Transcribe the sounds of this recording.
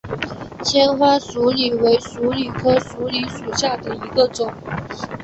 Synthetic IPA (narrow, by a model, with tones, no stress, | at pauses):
t͡ɕʰjɛ˥nxwa˥su˧˥li˨˩we˧˥ɪʂu˧˥li˨˩kʰɤ˥ʂu˧˥li˧˥ʂu˨˩ɕja˥˩d̪ə˩i˧˥ɡə˧ʈ͡ʂʊ˨˩˦ŋ